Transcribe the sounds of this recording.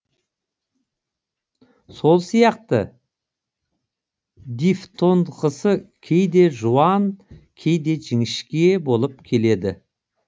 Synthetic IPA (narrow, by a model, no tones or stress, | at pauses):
so̞lˠsijɑq̚t̪ə | d̪ift̪ʰo̞nd̪qəsəkʲʰe̞jd̪e̞ʒuwɑnkʲʰe̞jd̪e̞ʒɪŋɪʃkʲe̞bo̞lˠəp̚kʲʰe̞le̞d̪ɪ̰